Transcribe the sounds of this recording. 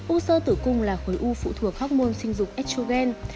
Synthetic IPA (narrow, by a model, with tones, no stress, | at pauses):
ʔu˧səː˧t̪ɨ˧˩kʊ˧˩ŋ͡mlaː˨˩xoː˨˦jʔu˧fṵ˧˨t̪ʰu˧˩ək̚hɔ˦˥k͡p̚mo˧nsï˧ŋ̟zʊ˨˩k͡p̚ʔɛ˦˥t̚so˧ɣɛ˧n